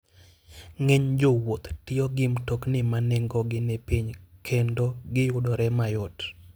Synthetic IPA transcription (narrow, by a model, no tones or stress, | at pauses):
ŋeɲd͡ʒowot̪tɪɔɡɪmtɔknɪmanɛŋɡɔɡɪnepiɲkʰendoɡɪjʊdɔɾɛmajɔt